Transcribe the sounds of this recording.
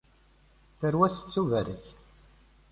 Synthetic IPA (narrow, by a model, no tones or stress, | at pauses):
θəɾwæsə̥t͡sːuvæɾə̰ç